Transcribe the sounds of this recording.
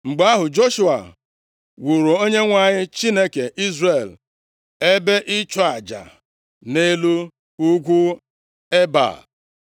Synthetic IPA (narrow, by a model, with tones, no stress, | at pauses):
ŋ͡m̩˨ɡ͡ba˦ɦʊ˨d͡ʒo˦ʃu˦a̰˨ | wu˨ɾo˨o˦ɲe˦ŋʷa˨ɲɪ˦t͡ʃi˦ne˦ke˨ʔi˦zre˨l | e˦be˦ʔɪ˦t͡ʃɔ˦a˨d͡ʒa̰˨ | ne˦lu˦ | u˦ɡʷu˦ | e˦ba̰˨